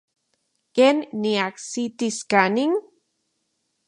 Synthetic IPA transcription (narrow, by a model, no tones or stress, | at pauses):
kenːiaksit̪iskaniŋ